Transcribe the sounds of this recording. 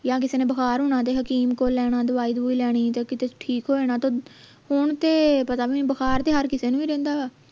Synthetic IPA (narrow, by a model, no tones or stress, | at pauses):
jaːk̬ɪseːneːbəkʰaːɾɦʊɳ̃aːt̪eːɦəkiːmkoːlːɛːɽ̃ãːd̪əʋaːiːd̪uːiːlɛːɽ̃iːt̪eːkɪt̪eːʈʰiːkɦoːeːnaːt̪oː | hʊɳt̪eːpət̪aːbibəkʰaːɾt̪eːɦəɾkɪseːnũːiːɾɛ̃ːnd̪aː